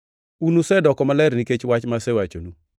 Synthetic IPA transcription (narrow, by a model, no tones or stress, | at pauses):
unusɛdɔkɔmalɛɾniket͡ʃwat͡ʃmasɛwat͡ʃo̰nu